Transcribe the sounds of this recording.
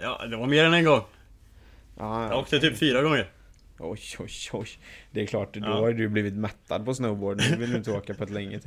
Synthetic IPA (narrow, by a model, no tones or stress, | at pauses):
jɑ̰ːd̪ɛvaɾmeːɾɛnɛnɡɔŋː | jʔɑːoːk̚t̪ət̪ʰyːpfyːɾaɡɔŋːəɾ | ʔɔjɔjɔjd̪ɛæɾkʰlɑːʈd̪ʊhaɾjd̪ʉbliːvɪt̪mɛt̪ːad̪̚pɔsnəʊboːɖənd̪vɪlɪɪnt̪əoːkapʰɔɛt̪lɛŋːə